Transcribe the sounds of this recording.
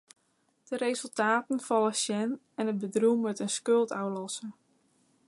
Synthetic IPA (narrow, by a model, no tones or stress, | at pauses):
d̥əɾezɵlˠtaːtənfɑlˠəsjɛn | ɛnəd̚bədrumətənskølˠtʰawlɔsə